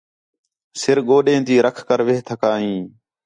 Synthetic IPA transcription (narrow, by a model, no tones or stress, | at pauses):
sɪɾɠoːɗẽːt̪iːɾəkʰkəɾʋeɦt̪ʰəkaːɦĩː